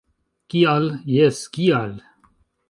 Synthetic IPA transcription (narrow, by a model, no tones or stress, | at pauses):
kialjeskial